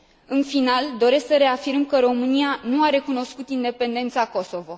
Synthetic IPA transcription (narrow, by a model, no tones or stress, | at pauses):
ɨnfinald̪o̞ɾe̞sksəɾe̞afiɾmkəɾo̞mɨnianuaɾe̞kuno̞skut̪ind̪e̞pe̞nd̪e̞nt̪sako̞so̞vo̞